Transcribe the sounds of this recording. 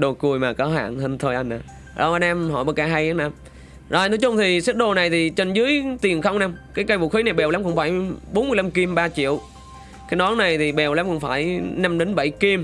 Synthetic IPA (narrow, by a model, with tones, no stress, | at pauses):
ɗo˨˩ku˨˩əjmaː˨˩kɔ˨˦ɦa̰ː˧˨nhə˧ŋt̪ʰo˧jʔa˧jŋ̟ʔaː˨˩ | ɗɔ̰˨˩ʔa˧naː˧mhɔ̰˧˩jɓəː˧˩kaː˧ɦa˧ja˨˦na˧m | zɔ˨˩jnɔ˨˦jt͡ɕʊ˧ŋ͡mt̪ʰi˨˩sɛ˦˥t̚ɗo˧na˨˩jt̪ʰi˨˩t͡ɕe˧nzɨ˨˦əjt̪i˨˩ənxə˧wŋ͡mna˧mkaː˨˦jkaː˧jvo̰˧˩xi˨˦na˨˩jɓɛ˨˩wla˨˦mkʊ̰˧˥ŋ͡mfaː˧˩jɓo˨˦nmɨ˧əjla˧mki˧mɓaː˧t͡ɕḭ˧˨əw | kaː˨˦jɗɔ˨˦ŋna˨˩jt̪ʰi˨˩ɓɛ˨˩wla˨˦mkʊ̰˧˥wŋ͡mfaː˧˩jna˧mɗe˨˦nɓə˧˨jki˧m